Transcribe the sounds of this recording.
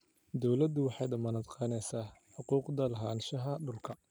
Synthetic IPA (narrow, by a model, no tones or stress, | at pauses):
d̪ɔwlɐd̪ʊwɑħɑjd̪ɐmɐnɐd̪qɑːnɛjsaːħʊquːqd̪ɐlɐɦaːnʃɐɦɐɖʊlkʰɐ